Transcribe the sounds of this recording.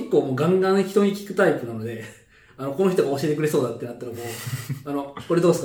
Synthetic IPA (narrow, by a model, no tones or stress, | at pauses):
ikːoːmoːɡãŋɡãɰ̃çi̥t̪o̞ɲ̟ikʲi̥kɯ̟t̪aip̪ːɯ̟nano̞d̪e̞ | ano̞ko̞no̞çʲit̪o̞ɡaoɕie̞t̪ekɯɾe̞soːd̪at̪ːe̞nat̪ːaɾamoːano̞ko̞ɾe̞d̪oːesk